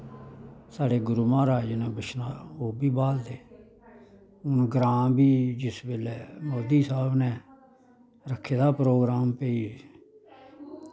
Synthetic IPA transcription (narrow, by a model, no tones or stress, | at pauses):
saːɽeːɡʊɾumãːɾaːd͡ʒnãːbət͡ʃʰnaːoːbiːbaːld̪eː | ʊnɡɾãːmbiːd͡ʒɪsbeːlɛːmoːd̪iːsaːbnɛ̃ː | ɾəkʰːeːd̪aːpɾoːɡɾaːmpeiː